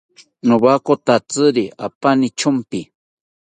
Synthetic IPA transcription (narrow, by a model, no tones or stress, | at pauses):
nuβakot̪at͡sɨɾia̰panit͡ʃʰʊmpi